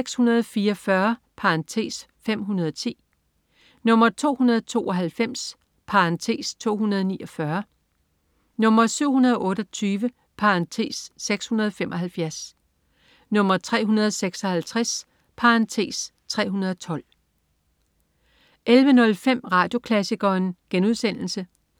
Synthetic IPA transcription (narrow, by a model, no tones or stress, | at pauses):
eɡ̥shunɐð̞ˠfiːɐfɶɐ | pʰɑɑnt͡sʰe̝̰ːs | fem̰ɦunɐð̞ˠɒt͡sʰḭː | nɔ̽m̰ɐt͡sʰo̝̰ːhunɐð̞ˠt͡sʰo̝̰ːʔɒ̽ɦælfem̰s | pʰɑ̈ʁɑnt͡sʰe̝̰ːst͡sʰo̝̰ːhunɐð̞ˠniːɒ̽fɶɐ | nɔ̽mɐsyʊ̰ɦhunɐð̞ˠɒ̽ʔɔ̽ːɾ̥ɒt͡sʰyːʋə | pʰɑ̈ɑnt͡sʰe̝̰ːsːeɡ̥shunɐð̞ˠɒfemʔɒ̽ɦælfjæɐs | nɔ̽m̰ɐt͡sʰʁɛ̰ːɦunɐð̞̩ˠseɡ̥sɒ̽hælt͡sʰʁas | pʰɑ̈ɑnt͡sʰe̝̰ːs | t͡sʰʁɛ̰ːɦunɐð̞ˠt͡sʰɒ̽l̰ | ʔelʋənɔ̽lfem̰ʁɑ̈ːd̥jo̝kʰlæsiɡ̥ɐːnɡ̥enuð̞ˠsen̰l̩sə